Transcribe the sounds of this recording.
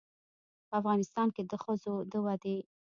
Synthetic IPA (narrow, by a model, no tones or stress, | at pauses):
pəafɣɑnɪst̪ɑnked̪əxəzod̪əwɑd̪e